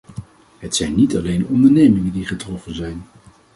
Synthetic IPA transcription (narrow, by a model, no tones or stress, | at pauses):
ɦətsɛjnːitɑlejnɔndəɹnejmɪŋəndiχətrɔfənzɛjn